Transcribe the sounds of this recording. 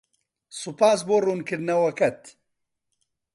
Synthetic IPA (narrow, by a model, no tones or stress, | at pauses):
supaːsboːruːnkɨɾnɐwɐkɐt̪